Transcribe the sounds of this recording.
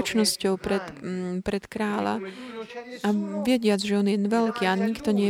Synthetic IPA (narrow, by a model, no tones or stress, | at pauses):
t͡ʃnɔscɔʊpɾɛt̪pɾɛt̪kɾaːla̰ | aʋɪɛɟɪad͡zʒɛɔnjɛnʋɛlkiːaɲikt̪ɔɲɪɛ